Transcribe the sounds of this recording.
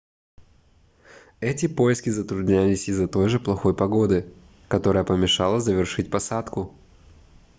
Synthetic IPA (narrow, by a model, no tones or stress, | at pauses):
ɛtʲɪpo̞jɪskʲɪzət̪ɾʊd̪ʲnʲælʲɪsʲɪzːɐt̪o̞jʐɨplˠɐxo̞jpɐɡo̞d̪ɨ | kɐt̪o̞ɾəjəpəmʲɪʂɑlˠəzəvʲɪrʂɨt̚ʲpɐsat̪kʊ